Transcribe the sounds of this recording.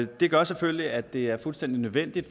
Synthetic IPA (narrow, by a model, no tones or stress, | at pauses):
d̥e̝ɡ̥ɶɐsefølliæd̥e̝æɐfulsd̥en̰d̥inøðˠʋen̰d̥id̥